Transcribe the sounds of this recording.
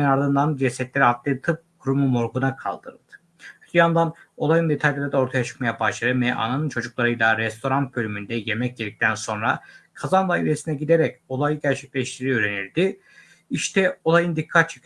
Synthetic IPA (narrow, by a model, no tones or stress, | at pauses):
naɾd̪ɯnd̪and͡ʒesɛt̪lʲeɾiat̪lˠɯːt̪ʰɯp̚kʰuɾumumo̞ɾɡunakʰa̰lˠd̪ɯɾɯ̰lˠd̪̥ɯ̥ | ʃt̪ʰjand̪ano̞lˠajɯnd̪e̞t̪ʰalʲlʲˠaɾad̪ao̞ɾt̪ʰajat͡ʃʰɯ̥k̚majabaʃlˠaɾɯmɛʔa̰nanɯnt͡ʃʰo̞d͡ʒuklˠaɾɯjlˠaɾɛst̪ʰo̞ɾant̪̚bø̞lʲymynd̪ɛje̞mɛc̚ɟed̪ic̚t̪ʰænso̞nɾakʰazand̪ˠaːilʲesinɛɟid̪e̞ɾɛco̞lˠajɯɟæɾt͡ʃʰɛcʲlʲɛʃt̪ʰiɾiøːɾe̞niɾd̪i | iʃt̪ʰɛo̞lˠajɯnd̪ikʰːat̪̚t͡ʃʰe̥k